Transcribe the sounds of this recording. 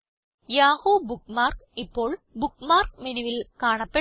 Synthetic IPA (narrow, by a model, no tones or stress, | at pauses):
jaːhoːbukmaːrkipːo̞ːɭbukmaːrkmenuʋilkaːɳɐpːe